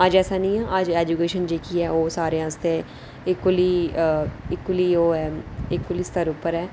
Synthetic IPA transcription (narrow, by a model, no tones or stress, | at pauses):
əd͡ʒɛːsaːnĩːãːʔəd͡ʒɛːd͡ʒuːkeːʃənd͡ʒeːkiːɛːoːsaːɾeãst̪eː | ɪkːʊliː | ɪkːʊliːoːɛːɪkːʊliːst̪əɾʊpəɾɛː